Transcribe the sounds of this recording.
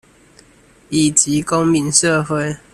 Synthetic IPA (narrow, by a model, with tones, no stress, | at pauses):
i˨˩t͡ɕi˨˦ko˦ŋmi˨˦nʂə˥˨xwe˥˨ɪ